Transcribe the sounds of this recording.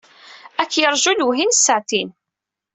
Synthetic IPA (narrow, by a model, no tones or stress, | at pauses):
ækːjəɾˤʒunuɦinsːəʕt̪in